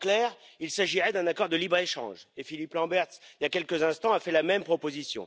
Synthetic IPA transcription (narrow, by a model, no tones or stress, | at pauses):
klɛːʁilsaʒiʁɛd̪ɛ̃nakɔʁd̪əlibʁeʃɑ̰̃ʒefiliplɑ̃bɛʁt̪sljakʲɛlkəzɛ̃st̪ɑ̃afɛlamɛmpχɔpozisjɔ̰̃